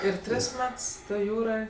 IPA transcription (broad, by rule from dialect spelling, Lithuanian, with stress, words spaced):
ɪr ˈtʲrʲɪs ˈmʲɛts ˈtoːj ˈjuːroːj